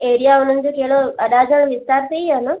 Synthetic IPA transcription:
eːɾijaʊn̤ənɪ̆d͡ʑoːkeɦɭoɐɗad͡ʑəɽ̃ʋɪst̪aːɾt̪ʰəiɦanə

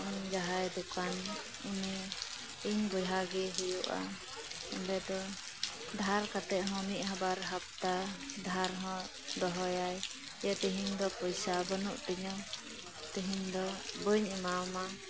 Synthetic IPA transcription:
ʔd͡ʒaɦajd̪ukan | imi | iɲbɔjɦaɡɛɦujuʔa̰ | ɔnbɛd̪ɔ | d̪ʱaɾkat̪ɛʔɦɔ̃niʔhabaɾɦap̚t̪ad̪ʱaɾɦɔ̃ | d̪ɔɦɔjaj | jat̪iɦiŋd̪ɔpɔjsabənuʔt̪iɲɔ | t̪iɦiɲd̪ɔbəɲimama

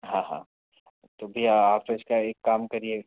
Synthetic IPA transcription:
ɦãːɦã̰ː | t̪oːbʱiaaːpeɪskaeːkːaːmkɐɾie

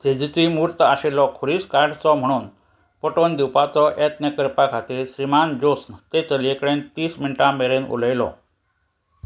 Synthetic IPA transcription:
d͡zed͡zit͡simuɾt̪aɕelɔkʰoɾiːskaɾɖt͡sɔm̤əɽ̃uːn | pɔʈond̪iwpat͡sɔʔet̪nekəɾpakʰat̪iːɾɕɾimand͡ʑosnt̪et͡səljekɽent̪iːsminʈãmeɾenṵləjlɔ̰

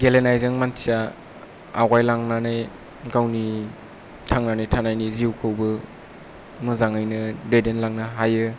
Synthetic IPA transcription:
ɡelenajzɯŋmantʰija | awɡajlaŋnanaj | ɡawni | tʰaŋnanajtʰanajniziuwkʰɯwbɯ | mɯzaŋajnɯdedenlaŋnɯɦajɯ

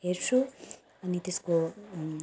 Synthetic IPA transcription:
eɾʂu | ɐnit̪isko

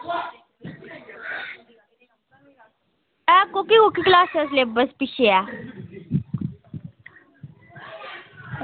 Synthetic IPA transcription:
ɛːkːokikokiklaːsəɾsleːbəspiʃeɛː

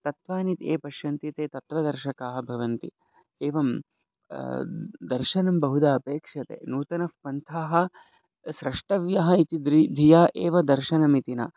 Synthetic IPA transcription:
t̪ɐt̪ʋaːnit̪ḛːpɐʃjɐnt̪it̪eːt̪ɐt̪ʋɐd̪ɐɾʃɐkaːɦɐ̆bʱɐʋɐnt̪i | eːʋɐm | d̪ɐɾʃɐnɐmbɐɦud̪aːɐpeːkʂɐt̪ḛːnuːt̪ɐnɐfpɐnt̪ʰaːɦɐ̆ | ʃɾɐʂʈɐʋjɐɦɐit̪id̪ɾd̪ʱijaːʔeːʋɐd̪ɐɾʃɐnɐmit̪ina̰

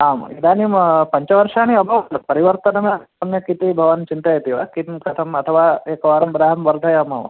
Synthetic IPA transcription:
aːmid̪aːnimpɐɲt͡ʃɐʋɐɾʂaːñiɐbʱɐpɐɾiʋɐɾt̪ɐnɐmjɐɐmjɐkit̪ibʱɐʋɐnt͡ʃint̪ajet̪iʋakit̪mkɐt̪ʰɐmɐt̪ʰɐʋaːeːkɐʋaːɾɐmbɾaɦɐmʋɐɾd̪ʱɐjamɐ̰ʋɐ̰

